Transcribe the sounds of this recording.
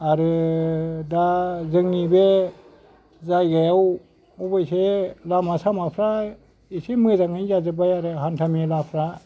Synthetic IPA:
aɾɯ | dazɯŋnibe | zajɡajaw | ɔbajselamasamapʰɾa | isemɯzaŋajzazɯbajaɾɯɦantʰamelapʰɾa

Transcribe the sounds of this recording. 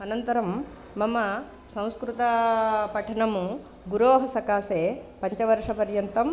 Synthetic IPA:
ɐnɐnt̪ɐɾɐmː | ɐmɐ | sɐ̃w̃skɾut̪ɐpɐʈʰɐɳɐmu | ɡuɾoːɦɐsɐkaːseːpɐɲt͡ʃɐʋɐɾʂɐpɐɾjɐnt̪ɐm

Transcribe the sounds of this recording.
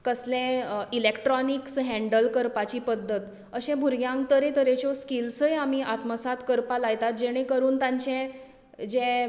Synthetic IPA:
kəslẽilekʈɾɔniksɦɛ̃ɳɖəlkəɾpat͡ɕiːpəd̪ʱːət̪ | əɕɛ̃bʱuɾɡjãŋkt̪əɾet̪əɾet͡ɕɔskilsəjamiʔat̪məsat̪kəɾpalajt̪at̪̚d͡ʑeɽ̃ekəɾuːnt̪ãɲt͡ɕɛ̃ | d͡ʑẽ

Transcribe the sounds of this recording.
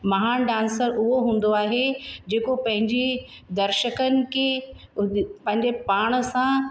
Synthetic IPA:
mɐɦaːnɖãːnsəɾʊɦoɦũːn̆d̪oaːɦed͡ʑeːkopɐ̃ɦɪ̃ɲd͡ʑe | d̪ɐɾʃəkənɪ̆kʰe | pɐ̃ɦɪ̃ɲd͡ʑepaːɽ̃ə̆sã

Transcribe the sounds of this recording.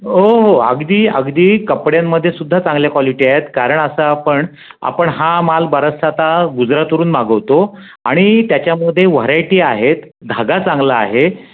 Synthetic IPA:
ɦoɦoə̰ɡd̪iːə̰ɡd̪iːkəpɽjamːəd̪ʱːjesud̪ʱːat͡sãŋɡljakʋaliʈiːaɦet̪kaɾəɳəsəapəɳ | a̰pəɳɦãmalbəɾəsat̪aɡud͡zɾat̪uɾuːnmaɡəʋt̪o | a̰ɽ̃it̪jat͡ɕjaməd̪ʱːjeʋəɾajʈiːaɦet̪ | d̪ʱaɡat͡sãŋɡlaːɦe

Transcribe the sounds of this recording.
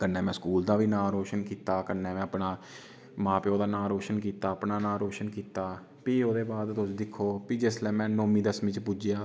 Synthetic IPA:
kənːɛ̃ːmɛ̃ːskuːld̪aːʋiːnãːɾoːʃənkiːt̪aːkənːɛ̃ːmɛ̃ːəpnaː | mãːpeːoːd̪aːnãːɾoːʃənkiːt̪aːəpnaːnãːɾoːʃənkiːt̪aː | piːoːd̪eːbaːd̪t̪ʊsd̪ɪkʰːoːpiːd͡ʒɪslɛːmɛ̃ːnoːmĩːd̪əsmĩːt͡ʃpʊd͡ʒɪjaː

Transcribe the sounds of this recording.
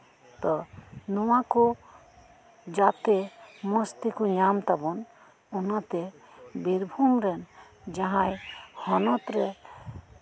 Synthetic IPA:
t̪ɔnɔwaku | d͡ʒat̪emɔst̪ikuɲamt̪abɔn | ɔnat̪e | biɾbʱumɾɛn | d͡ʒaɦãjhɔnɔt̪ɾɛ

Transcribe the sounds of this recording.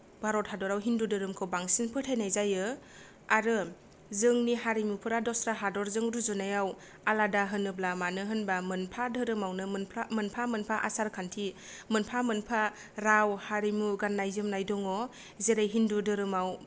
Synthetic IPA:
bʱaɾɔt̚hadɔɾawɦindudɯɾɯmkʰɯbaŋsinpʰɯtʰajnajzajɯ | aɾɯ | zɯŋniɦaɾimupʰɯɾadɔsɾaɦadɔɾzɯŋɾuzɯnajaw | aladaɦɯnɯblamanɯɦɯnbamɯnpʰadɯɾɯmawnɯmnpʰamɯnpʰamɯnpʰaʔasaɾkʰantʰi | mɯnpʰamɯnpʰa | ɾawhaɾimuɡanːajzɯmnajdɔŋɔ | zeɾajɦindudɯɾɯmaw

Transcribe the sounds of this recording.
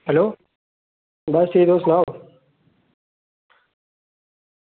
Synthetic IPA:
ɦəloː | bəst̪iːd̪oːsnaːɦoː

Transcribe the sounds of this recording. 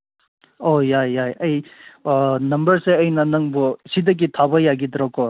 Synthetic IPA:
ojajːajɐj | nɐmbɐɾseɐjnɐnɐŋbɔsidɐk̬itʰabɐjaɡid̪ɾɔkɔ

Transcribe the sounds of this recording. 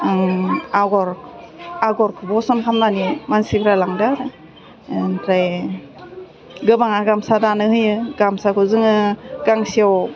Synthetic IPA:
aɡɔɾ | aɡɔɾkʰɯbɔsɔnkʰamnanimansikʰɾalaŋdaɾ | tʰɾaj | ɡɯbaŋaɡamsadanɯhɯjɯɡamsakʰɯzɯŋɯɡ̥aŋsiaw

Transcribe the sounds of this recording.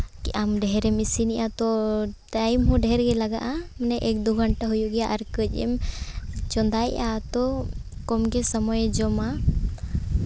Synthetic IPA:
kiʔamɖɛɦɛɾɛmisiniʔat̪ɔʈajmɦuɖɛɦɛɾɡɛlaɡaʔamɛnɛʔɛk̚d̪uɡʱɔɳʈaɦujuʔɡɛjaʔaɾkəc̚ˀɛ̰m | t͡ʃɔnd̪ajʔat̪ɔkɔmɡɛsɔmɔjd͡ʒɔma

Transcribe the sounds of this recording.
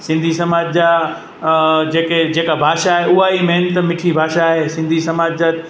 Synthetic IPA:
sɪ̃nd̪ʱisɐmaːd͡ʑd͡ʑa | d͡ʑeːked͡ʑeːkabʱaːʃaːɦeʊɦaimɛɦnt̪mɪʈʰibʱaːʃaːɦesɪ̃nd̪ʱisɐmaːd͡ʑd͡ʑət̪

